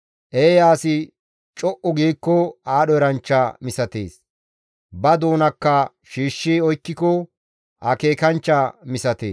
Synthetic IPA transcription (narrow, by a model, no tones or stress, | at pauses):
ʔeːjaːsɪ | t͡ʃʼɔʔɔɡiːkːɔaːɗɔɛɾɐnt͡ʃːamɪsɐt̪ḛːs | bɐd̪o̞ːnɐkːɐ | ʃiːʃːiɔjkːɪkɔ | ʔɐke̞ːkɐnt͡ʃːamɪsɐt̪ḛːs